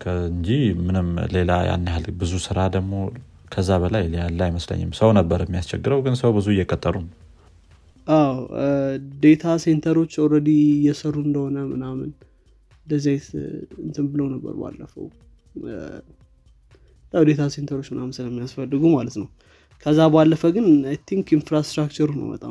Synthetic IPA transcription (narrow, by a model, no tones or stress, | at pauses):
kʰəɨɲd͡ʒimɨnɨmle̞laja̰nːihalbɨzusɨɾad̪əɡmo̞ | kʰəzːaβəlajlallːajməslə̰ɲːɪ̰msəwnəbːəɾɛmːijast͡ʃʰɛɡɨɾəwɡɨnsəwbɨzuɨjːɛkʼət̪ʼːəɾun | ʔaw | d̪e̞t̪ʰase̞nt̪ʰəɾo̞t͡ʃːoɾəd̪ijɛsərːuɨnd̪əho̞nəmɨnamɨ̰n | d̪əzajt̪ɨnt̪ʰɨmbɨləwnəbːə̰ɾba̰lːəfə̰w | jawd̪e̞t̪ʰase̞nt̪ʰəɾot͡ʃːmɨnamɨnsɨləmːijasfəlːɨɡumalət̪nəw | kʰəzːabalːəfəɡɨnt̪ʰːiŋkinfɾast̪ɾakt͡ʃəɾunə̰mə̰t̪ʼa̰